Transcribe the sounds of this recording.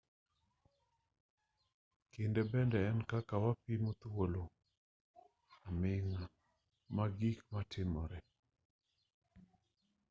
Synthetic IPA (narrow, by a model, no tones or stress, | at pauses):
kɪndɛbɛndɛːnkakawapimot̪wolo | amɪŋa | maɡikmatʰɪmɔɾɛ